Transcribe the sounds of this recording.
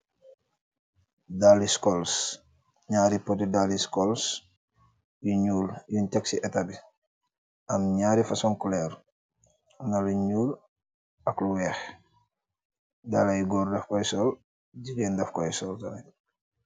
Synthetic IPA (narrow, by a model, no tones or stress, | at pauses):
daliskɔls | ɲaːɾipɔtidaliskɔls | juɲuːljuntɛksiʔɛtabi | ʔɐmɲaːɾifɐsɔŋkulɛːɾ | nɐluɲuːl | ɐkluwɛːx | dalajuɡɔːrdɛfkɔjsɔl | ɟiɡeːndɐfkɔjsɔltɐnɛ